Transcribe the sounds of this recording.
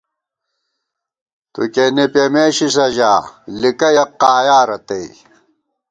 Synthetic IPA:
t̪ṵkenepemeːɕisɐʑaːlikɐjɐqːaːjaːɾɐt̪ei

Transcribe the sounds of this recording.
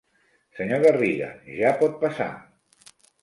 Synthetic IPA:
səɲoɣəriɣə̰ʒapɔt̪̚pasa̰

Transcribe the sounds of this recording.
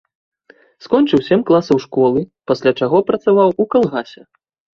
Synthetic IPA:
skɔnʲt͡ʂɨwsʲɛmʲklˠasɐwʂkɔlˠɨpɐsʲlʲat͡ʂaɣɔpɾɐt̪savawukalˠɣasʲɛ

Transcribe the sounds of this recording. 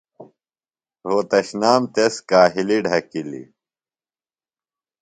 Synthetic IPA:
ɾoːt̪ɐɕnaːmt̪eskaːɦiliɖʱɐkilḭ

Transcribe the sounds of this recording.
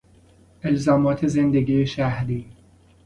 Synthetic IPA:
elzɒːmɒːt̪ʰezend̪eɡiːeʃæhɾiː

